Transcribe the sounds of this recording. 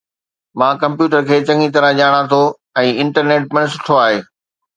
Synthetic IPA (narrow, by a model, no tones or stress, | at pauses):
mãːkɐ̃mpjuːʈəɾkʰeːt͡ɕɐ̃ŋɡit̪̬ɐɾə̃ʄaːɽ̃at̪ʰo | ɛ̃ːɪ̃ɳʈəɾneːʈ̚pɐ̃ɽ̃ɪsʊ̥ʈʰoaːɦeː